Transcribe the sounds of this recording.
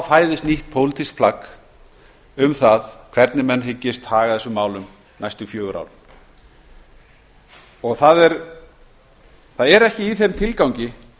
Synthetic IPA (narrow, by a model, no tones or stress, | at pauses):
wfaːjðɪst̪niht̪̚pʰowlɪt̪ʰisk̚pʰlak | ʏmθaðkʰv̥ɛɾt̪nɪmɛnːɦɪcːɪst̪haːɣaðθɛsʏmːaːwlʏm | najst̪ʏfjœːɣʏɾa̰wln | ɔɣθaðɛɾ | θaðɛɾɛhcɪiθemt̪ʰɪlkawɲcɪ